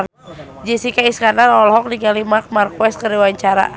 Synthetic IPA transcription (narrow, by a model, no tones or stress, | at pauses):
d͡ʒisikaiskandarɔlɦɔk̚diɡalimak̚markwɛst̪̚kəriwaɲt͡ʃaɾa̰